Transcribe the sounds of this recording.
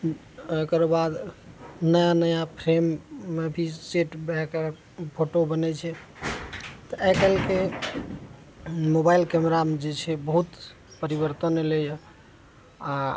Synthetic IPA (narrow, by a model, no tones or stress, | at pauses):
ojkəɾbad̪nəjanəjapʰɾemːebʱiseʈbɛke | pʰoʈobənɛt͡ʃʰɛ | t̪ɔɛkəlke | mobailkɛmeɾamed͡ʒet͡ʃʰɛbəɦut̪ | pəɾibəɾt̪ənelejɔ | a